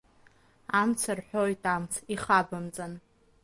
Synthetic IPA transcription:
amt͡sʰarħʷᶣojtʰʼamt͡sʰiχabɨmt͡sʼan

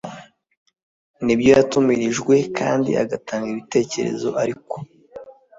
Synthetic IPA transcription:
nibjojatumiɾiʒɡwe̞kʰa̰ːndḭʔa̰ɡataːŋɡiiβite̞ːce̞̰ɾe̞̰zo̞ʔaɾiko̞

